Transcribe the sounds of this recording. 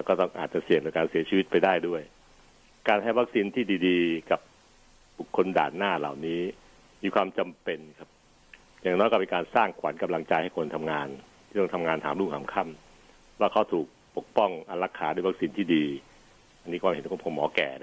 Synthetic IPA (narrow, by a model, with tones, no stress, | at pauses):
lɛ˦˥wkɔː˥˩t̪ɔ˥˩ŋʔa̰ː˨˩t̪̚t͡ɕa˧˩si˨˩əŋdɯ˨˦kaː˧nsi˩˦ɐt͡ɕʰiː˧i˦˥t̪̚pa˧jdaː˥˩jdu˥˩əj | kaː˧nha˥˩jwa˦˥k̚siː˧nt̪ʰiː˥˩diː˧diː˧ka˨˩p̚ | bu˨˩kʰːo˧nda̰ː˨˩nːaː˥˩la̰˨˩wniː˦˥ | miː˧kʰwaː˧mt͡ɕa˧mpe˨˧nkʰa˦˥p̚ | jaː˨˩ŋnɔ˦˥jkɔː˥˩pe˧nkaː˧nsaː˥˩ŋkʰwa̰˩˦nka˧mla˧ŋt͡ɕa˧jha˥˩jkʰo˧nt̪ʰa˧mŋaː˧nt̪ʰiː˥˩ɔ˥˩ŋt̪ʰa˧mŋaː˧nt̪ʰaː˩˦mlu˥˩ŋhʰaː˨˩˦mkʰa˥˩m | waː˥˩kʰa˦˥wt̪ʰuː˨˩k̚po˨˩k̚pɔ˥˩ŋʔa˧la˦˥kʰːaː˦du˥˩˨jwa˦˥k̚siː˧nt̪ʰiː˥˩diː˧ | ʔa˧nːiː˦˥kɔː˧he˨˦nkʰo˧˩kʰo˧˦mːɔː˨˩˦kɛ̰ː˨˩˦